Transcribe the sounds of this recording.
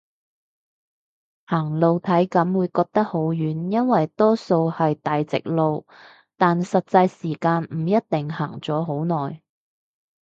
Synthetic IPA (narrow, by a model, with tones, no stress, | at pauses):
haː˨˩ŋlo˨˧wt̪ʰɐ˨˥jkɐ˨˥mwuː˨˧jkɔː˧k̚t̪ɐ˥k̚ho˨˥wjyː˨˥njɐ˥nwɐ˨jt̪ɔː˥so˧whɐ˨jt̪aː˨jt͡sɪ̰˨k̚lo˨˧w | t̪aː˨nsɐ˨t̚t͡sɐ˧jsiː˨˩kaː˧nm̩˨˩jɐ˥t̚t̪ɪ˨ŋhaː˨˩ŋt͡sɔː˨˥ɦo˨˥wnɔː˨˩j